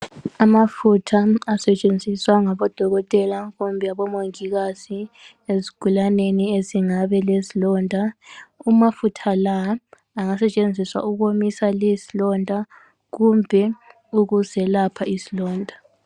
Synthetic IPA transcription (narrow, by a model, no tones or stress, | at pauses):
amafutʰaːsɛt͡ʃʼend͡zʱiswaŋaβɔd̥ʱɔɣɔtʼɛlaɣumbʱɛaβɔmoŋiɣazi | ezi̥ɡ̥ʱulanenieziŋaβɛlesilɔndʱaumafutʰalaː | ŋasɛt͡ʃʼend͡zʱiswa̰uɣomisalisilɔndʱa | ɣumbʱɛ | uɣuzɛlapʰaisilɔːndʱa